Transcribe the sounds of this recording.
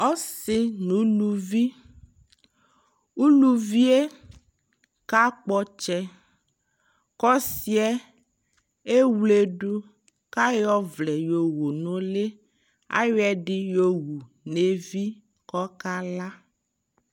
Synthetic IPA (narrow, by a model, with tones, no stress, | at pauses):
ɔ˦sɪ˦nũ˨˦lu˦vi˦ | u˦lu˦vi˦e˦ | ka˦k͡pɔ˦t͡ʃɛ˦ | kɔ˦si˦ɛ˦ | e˦wle˨ɖu˦ | ka˦jɔ˦vlɛ˨jo˨wo˨nõ˨le˦ | a̰˦jɛ˨ɖi˦jo˨wu˨ | ne˨vi˦ | kɔ˦ka˦la˦